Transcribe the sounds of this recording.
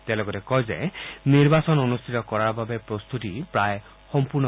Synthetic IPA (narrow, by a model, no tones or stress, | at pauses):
t̪elɔɡɔɾekɔɦjd͡ʒḛniɾbasɔnɔnust̪ʰit̪ɔkɔɾaɾbabepɾɔst̪ut̪ipɾae | hɔmpuɾnɔ